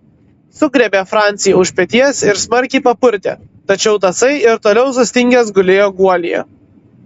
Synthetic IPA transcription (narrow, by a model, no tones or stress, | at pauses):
sʊɡɾʲɛbʲɛfɾɑˑnʲt̪sʲɪjɛʊʃʲpʲɛt̪ʲiɛsɪɾsmɐɾʲkʲɪɪpɐpʊɾʲt̪ʲḛːt̪ɐt͡ʃʲɛʊt̪ɐsɐɪɪɾt̪oːlʲɛʊs̬ʊsʲt̪ʲɪŋʲɡʲɛsɡʊlʲeːjoːɡuɔlʲḭjɛ̰